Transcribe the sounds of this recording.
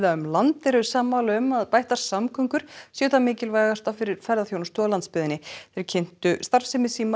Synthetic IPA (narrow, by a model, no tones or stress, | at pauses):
ðaʏmlant̪ɛɾʏsaːmːaːlʏmaðpajht̪aɾ̥samkʰʏŋkʏɾ̥sɛʏt̪amɪːcɪlvajɣast̪awfɪɾɪɾ̥fɛɾðaθjownʏst̪ʏalant̪spɪðɪnːɪθeɾcʰen̥t̪ʏst̪aɾ̥fsɪmɪsiːma